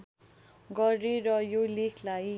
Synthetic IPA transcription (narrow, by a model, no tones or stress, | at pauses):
ɡʌrerʌjolekʰlaj